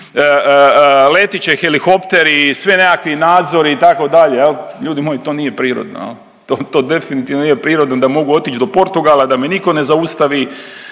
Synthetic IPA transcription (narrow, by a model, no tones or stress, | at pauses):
ə | le̞t̪it͡ɕexelixo̞pt̪e̞ɾisʋine̞kakʋinaːd̪zo̞ɾiːt̪ako̞d̪aʎejelʎuːd̪imojit̪o̞ːniːje̞pɾiːɾo̰d̪no̰el | t̪oːt̪o̞ːd̪e̞finit̪iːʋnonijepɾiːɾo̞d̪nod̪amo̞ɡuo̞t̪it͡ʃd̪o̞po̞ɾt̪uɡalˠad̪ameniko̞ne̞zaust̪aʋi